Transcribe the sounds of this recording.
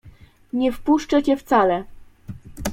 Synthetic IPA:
ɲɛfpuʂt͡ʂɛt͡ɕɛft̪salɛ

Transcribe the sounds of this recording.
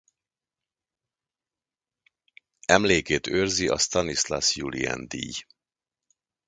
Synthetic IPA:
ɛmleːkeːt̪øːrziʔɒst̪ɒnislasjuliɛ̰nd̪ḭːj

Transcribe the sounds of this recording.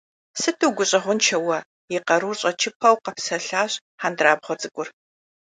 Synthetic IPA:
sɨtʰuwɡʷʊɕʼɐʁʷʊnt͡ʃʰɐwɐ | jɪqɐɾuːrɕʼɐt͡ʃʰɪpʰɐwqɐpsɐɬaːɕʼ | ħandraːbʁʷɐt͡sʼɨɡʷʼʊr

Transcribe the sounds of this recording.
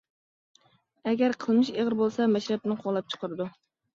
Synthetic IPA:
ɛɡʲæɾqʰəlˠmɪʃeʁəɾbolˠsɛmɛʃɾɛp̚nɪqʰoʁlˠɛp̚t͡ʃʰə̥qʰəɾɨd̪u

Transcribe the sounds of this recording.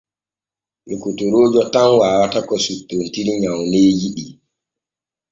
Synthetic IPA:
lukutoɾoːd͡ʒɔtanwaːwatakɔsutːontiɾiɲawneːjiɗi

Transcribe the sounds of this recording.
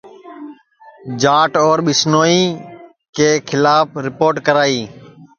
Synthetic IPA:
d͡ʒaːʈoːɾɓɪsnoːiː | keːkʰɪlaːpʰɾɪpoːɾʈkəɾaːiː

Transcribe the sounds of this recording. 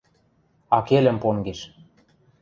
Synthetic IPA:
ɑkelʲɘ̆mpoŋɡeʃ

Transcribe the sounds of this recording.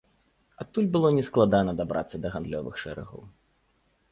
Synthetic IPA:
at̪ːulʲbɨlˠɔnʲɛsklˠad̪anɐd̪abɾʔa̰t̪sːɐd̪ɐɣand̪lʲɔvɨ̰xʂɛɾɛ̰ɣɐ̰w

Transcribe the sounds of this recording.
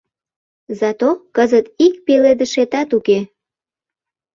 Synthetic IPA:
zɑt̪okəzət̪ik̚peled̪əʃet̪ɑt̪uke

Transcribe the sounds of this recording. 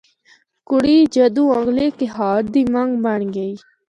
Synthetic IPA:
kuɽiːd͡ʑɐd̪ũãɡlekeɦaːɾd̪imɐŋɡbaɳɡɐi

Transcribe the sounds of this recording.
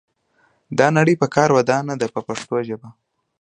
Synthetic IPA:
d̪ɑnaɽəjpəkɑɾwad̪ɑnad̪apəpaʂt̪oʒəba

